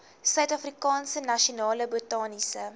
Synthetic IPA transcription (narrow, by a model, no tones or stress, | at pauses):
sœɥtɐfrikɑːnsənɐʃionɑːləbotɑːnisə